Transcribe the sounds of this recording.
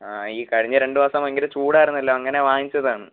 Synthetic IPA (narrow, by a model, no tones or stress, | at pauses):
aːiːkɐɻiɲːɨɾe̞ɳɖɨʋɐsɐmɐeŋɡilɨt͡ɕuːɽaːjiɾunːɐlːo̞ːɐŋːɐne̞ʋaːŋit͡ɕːɐðaːɳɨ